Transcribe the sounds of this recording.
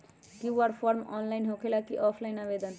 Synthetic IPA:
kiwaɾpʰɔɾmɔ̰nlajnɦokʰelakiʔɔpʰlajnabed̪ən

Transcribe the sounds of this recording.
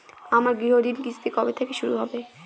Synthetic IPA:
amaɾɡɾiɦod̪inkisʰt̪ikɔbet̪ʰekeʃuɾuɦɔbe

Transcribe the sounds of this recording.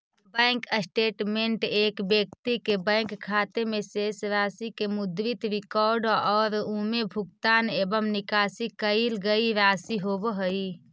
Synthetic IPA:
bə̃ŋkəsʈeːʈmeɳʈeːkbek̚t̪ikebə̃ŋkʰːat̪emesesɾaːsikemud̪ɾit̪ɾikɔɾɖɔːɾumebʱuɡt̪aːnebəmnikaːsikəilɡəiɾaːsiɦobɦəi

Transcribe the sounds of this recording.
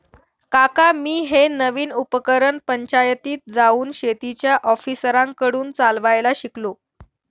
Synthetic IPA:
kakamiːɦenəʋiːnupəkəɾənpəɲt͡ɕajət̪iːt̪̚d͡zauːnɕet̪it͡ɕjaʔɔfisəɾãŋkəɽuːnt͡salʋajlaɕiklo

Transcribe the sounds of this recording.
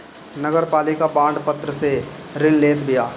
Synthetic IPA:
nəɡəɾpaːlɪkabãːɳɖpɐt̪ɾəse | ɾɪlleːt̪bijaː

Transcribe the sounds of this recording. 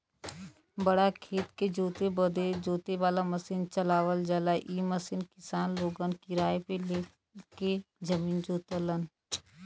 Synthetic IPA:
bəɽakʰeːt̪ked͡ʒoːt̪ebəd̪ed͡ʒoːt̪eʋaːlaməsint͡ʃəlaːwəld͡ʒəlaʔiːməsinkɪsaːnloːɡənkiɾaːepeleː | ked͡ʒəmiːnd͡ʒoːt̪ələn

